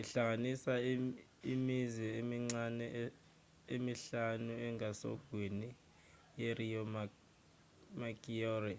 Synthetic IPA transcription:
iɬaŋanisa | imizɛemiŋ͡ǀanɛ | emiɬanuɛŋasɔ̰ɡ̥ʱwini | jeriɔm | makiɔri

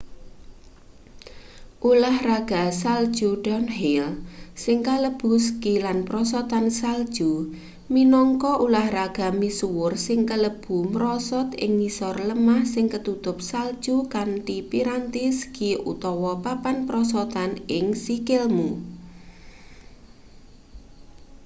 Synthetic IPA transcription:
ʔulahraɡ̥a̤sald̥ʒ̥uɖ̥ɔnɦilsɪŋkaləb̥ṳskilanpɾɔsɔt̪ansald̥ʒ̥u | minɔŋkɔʔulahraɡ̥a̤misuwʊrsɪŋkələb̥ṳməɾɔsɔt̪ɪ̰ŋnisɔrləmahsɪŋkət̪ut̪ʊp̚sald̥ʒ̥ukanʈipiɾant̪iskiʔṵt̪ɔwɔpapanpɾɔsɔt̪anɪŋsikɪlmu

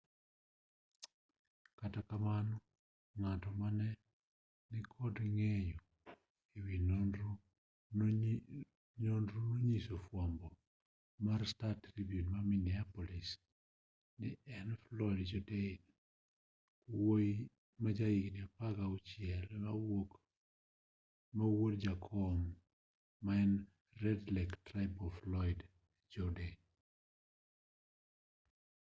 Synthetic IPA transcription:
katakamanɔ | ŋatɔmanɛ | nɪkʰɔdŋeɲo | iwinn | ɲondɾunoɲisofwambɔ | maɾstatɾibjunmaminiapɔlis | nɪɛnflɔjdd͡ʒɔden | woi | mad͡ʒajiknɪapakaut͡ʃjɛlmawok | mawodd͡ʒakʰɔmː | aɛn | rɛdlɛktɾajbɔflɔɪd | d͡ʒɔden

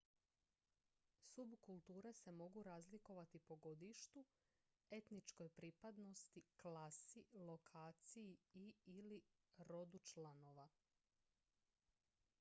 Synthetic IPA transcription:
subkulˠt̪uːɾese̞mo̞ɡuɾazliko̞ʋat̪ipo̞ɡo̞d̪iʃt̪u | e̞t̪nit͡ʃko̞jpɾipad̪no̞st̪iklasilˠo̞kʰaːt̪sijiiːli | ɾo̞d̪ut͡ʃlano̞ʋa

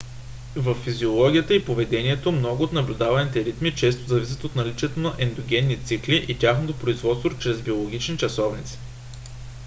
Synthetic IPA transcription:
vəfːiziolˠɔɡʲijət̪əipovɛd̪ɛniɛt̪omnɔɡʊːt̪nɐblʲʊd̪avɐnit̪ɛɾit̪mit͡ʃɛst̪ozɐvisʲə̥t̪ot̪nɐlit͡ʃɛt̪onɐʔɛnd̪oɡʲɛnːit̪sikliʔitʲaxnot̪opɾoizvɔt̪st̪vɾot͡ʃɾɛzbiolˠoɡʲit͡ʃnit͡ʃɐsɔvnit̪si̥

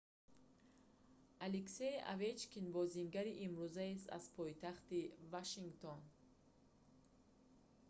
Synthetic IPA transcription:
alekseja̰vet͡ʃkinbɔziŋɡaɾiʔimɾuzaest̪a̰zpʰɔjt̪ʰaχt̪ivaʃiŋɡt̪ʰon

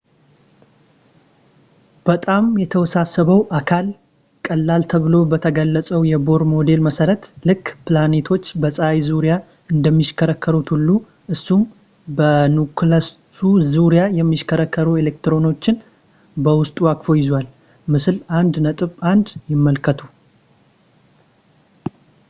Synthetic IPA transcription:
b̥ət̪ʼamjɛt̪ʰəwɔsasːəβəwʔakʰal | kʼəlːalt̪ʰəβɨlo̞bət̪ʰəɡəlːət͡sʼəwjɛbo̞ɾmo̞d̪e̞lməsəɾət̪lɨkːpɨlane̞t̪ʰo̞t͡ʃːbəsʼajzuɾija | ɨnd̪əmːiʃkʰəɾəkʰːəɾut̪hulːu | ʔɨsːum | bənuklas | suzuɾjajɛmːiʃkʰəɾəkʰːəɾue̞lek̚t̪ɾo̞no̞t͡ʃːɪn | bəwʊst̪ʼuakfo̞jɪzwal | mɨsɨland̪nət̪ʼɨβand̪jɪmːəlkʰət̪ʰu

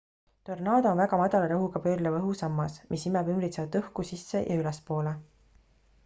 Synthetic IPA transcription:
t̪o̞rnɑːd̪onvæɡɑmɑd̪̥ɑlɑɾɑɦukɑpøːɾlevɤɦusɑmːɑsmʔisimɛbymbɾit̪seɑvɑt̪ːɤhkusisːe̞̰jʔɑ̰ylɛspo̞ːle

